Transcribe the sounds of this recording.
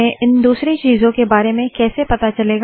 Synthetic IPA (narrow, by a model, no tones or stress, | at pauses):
ẽʔɪnd̪uːsɾet͡ʃiːzõkebaːɾemẽkɛːsepɐt̪at͡ʃɐleːɡ